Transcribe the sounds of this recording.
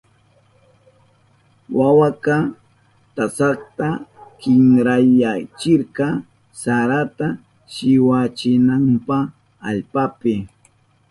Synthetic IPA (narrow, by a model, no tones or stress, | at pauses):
wawakɑ | t̪asɑkt̪akɪŋɾajat͡ʃɪɾqɑ | saɾat̪a | ʃɪwat͡ʃɪnampɑ | aʎpapɪ